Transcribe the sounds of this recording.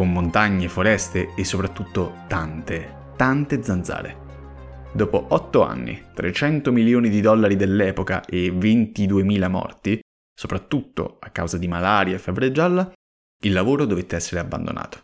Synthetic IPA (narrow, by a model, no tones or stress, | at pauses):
komːont̪aɲːefoɾɛst̪eːsːopɾat̪ːut̪ːot̪ant̪e | t̪ant̪ed̪zand̪za̰ːɾḛ | d̪ɔːpoʔɔt̪ːoa̰nːḭt̪ɾʔet͡ʃɛnt̪omiljoːnid̪id̪ɔlːaɾid̪elːɛːpoka̰ʔevent̪id̪uemiːlamɔ̰rt̪i | sopɾat̪ːut̪ːo̰akːa̰wzad̪imalaːɾjaefːavɾed͡ʒːalːa | ilːavoːɾod̪ovet̪ːeɛsːeɾeabːa̰nd̪o̰nʔa̰ːt̪o̥